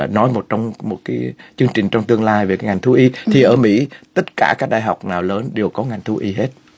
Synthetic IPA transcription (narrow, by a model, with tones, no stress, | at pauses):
nɔ˨˦jmo˨˩t̚t͡ɕɔ˧wŋ͡mmo˨˩t̚kaː˨˦jt͡ɕɨ˧əŋt͡ɕï˨˩ŋ̟t͡ɕɔ˧wŋ͡mt̪ɨ˧əŋlaː˧jve˨˩kaː˨˦jŋa˨˩ŋt̪ʰu˨˦ʔi˨˦t̪ʰi˨˩ʔəː˧˩mḭ˧˥t̪ə˦˥t̚kaː˧˩kaː˦˥k̚ɗaː˧˩jɦa˨˩wk͡p̚naː˨˩wləː˨˦nɗe˨˩əwkɔ˨˦ŋa˨˩jŋ̟t̪ʰu˨˦ʔi˧˦ɦe˦˥t̚